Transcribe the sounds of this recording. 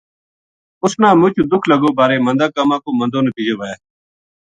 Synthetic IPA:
ʊsnãːmʊ̃t͡ʃuːd̪ʊkʰləɡoːbaːɾeːmənd̪aːkaːmãːkoːmənd̪oːnəpiːd͡ʒoːʋaːjaː

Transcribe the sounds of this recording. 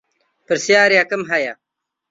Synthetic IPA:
pəɾsjaːɾijakɐmɦɐja

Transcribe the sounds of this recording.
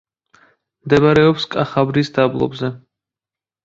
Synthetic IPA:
md̪ɛbaɾɛɔpskʼaχabɾisd̪ablˠɔ̰bzɛ

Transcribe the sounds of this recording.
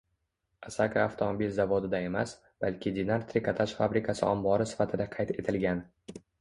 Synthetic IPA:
asakʰaːft̪ʰomobilʲzavod̪ɪd̪ae̞mas | b̥alkʲʰɪd̪ʲinaɾt̪ʰɾɪkat̪ʰaʃfabɾɪkʰasɪʔɒmbɒɾɪsɪ̥fat̪ʰɪd̪aqʰɑjt̪ʰe̞t̪ʰɪlɡʲan

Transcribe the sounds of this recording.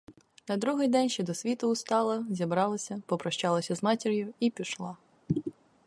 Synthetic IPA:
nɐd̪ɾuɦɪjd̪ɛnʲʃt͡ʃɛd̪ɔsʲʋʲit̪ʊʊst̪ɑlˠɐzʲibɾɑlˠɐsʲɐpɔpɾɐʃt͡ʃɑlˠɐsʲɐzmɑtʲiɾʲjʊipʲiʃlˠɑ

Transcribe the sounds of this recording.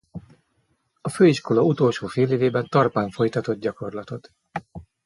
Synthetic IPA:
ɒføːiʃko̞lɒut̪o̞ːlʃoːfeːleːveːbɛnt̪ɒrpaːɱfo̞jt̪ɒt̪o̞d̪̚ɟɒko̞rlɒt̪o̞t̪

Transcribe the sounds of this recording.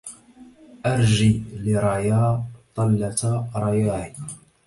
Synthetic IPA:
ʔaɾˤʒilɪɾˤɑjaːt̪ˤɑlːat̪ɾˤɑjaːʕi

